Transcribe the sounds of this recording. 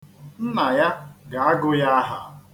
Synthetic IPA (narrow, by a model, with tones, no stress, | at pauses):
m̩˦ma˨ja˦ɡa˨a˦ɡʊ˦ja˦ɦa̰˨